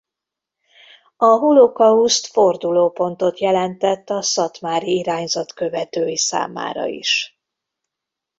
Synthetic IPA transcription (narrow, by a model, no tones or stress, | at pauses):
ɒɦulokɒust̪fo̞rd̪uloːpo̞nt̪o̞t̪jɛlɛnt̪ɛt̪ːɒsɒt̪maːɾiiɾaːɲzɒt̪kø̞vɛt̪øːjisa̰ːma̰ːɾɒ̰ḭʃ